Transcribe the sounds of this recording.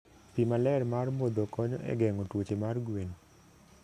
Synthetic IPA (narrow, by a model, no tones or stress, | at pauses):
pimalɛrmarmod̪okɔɲɔ̰ʔɛ̰ɡɛŋotwot͡ʃemarɡwen